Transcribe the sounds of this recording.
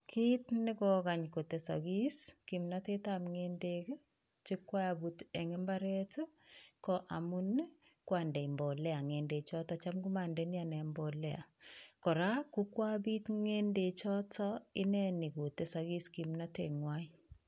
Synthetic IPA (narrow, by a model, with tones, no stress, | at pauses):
kʰiː˦tnɪ˦kɔ˨ka˨ɲko˨te˨sa̰˨ɡi˦ski˨mna˦te˦tamŋendek | t͡ʃɪ˦kwa˦jabutɛ˨ŋɪmba˦ɾɛtkɔʔa˨mu˦nkwandɛ˨i˨mbɔ˨lɛ˦a˨ŋe˨nde˨t͡ʃɔ˦tɔt͡ʃa˦mkuma˨ndɛni˦anɛ˨mbɔlɛa̰˨kɔ˨ɾa˦ku˦kwa˦bi˦tŋende˨t͡ʃɔ˦tɔɪ˦nɛ˦ni˨ko˨te˨saɡi˦skimnateŋwai